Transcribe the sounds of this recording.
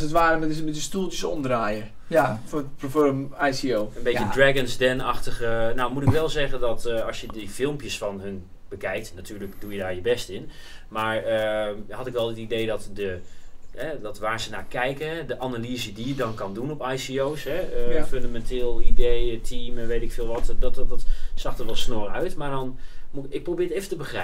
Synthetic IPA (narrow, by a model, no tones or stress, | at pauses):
sətʋaːɾəmɛəbɪtəstulˠtəsɔmdraːjə | fɔəmajsioːənbejədrɛɡənsdɛnaxtəɣənawmutɪkʋɛlˠzɛɣəndɔtɑsjədəfɪlˠmpjəsfɔnɦɵn | bəkɛjk̚tnatʰyːrləkdujədaːɹjəbɛstɪn | maːɹəɦɑtɪkʋɛlˠətidejdɔtdəɦɛdɔtʋaːɹzənaːkɛjkəɛdəʔanalizədijədɔnkɑndunɔpajsiowsɦɛəføndamɛnteːlˠidejtʰimɛnʋejtɪkfɪːlˠʋɔtdɔtɔtsɑχtəɹʋɛlˠsnoːrœɥtmaːɹdɔnmuɪk̚prowbɪːɹejfəntəbəxrɛ